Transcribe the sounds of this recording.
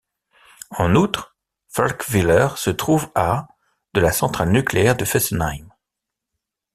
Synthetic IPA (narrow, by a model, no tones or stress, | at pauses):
ɑ̃nut̪χ | falkvilɛʁsət̪χuva | d̪əlasɑ̃t̪χalnykleɛʁd̪əfɛsnajm